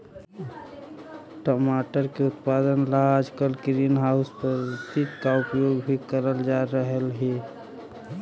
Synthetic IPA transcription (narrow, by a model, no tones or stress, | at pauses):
ʈəmaːʈəɾkeʊt̪̚pad̪ənlaad͡ʒkəlkɾinɦaʊspəɾt̪it̪kaʊpjoːɡbʱikəɾəld͡ʒaɾəɦəlɦe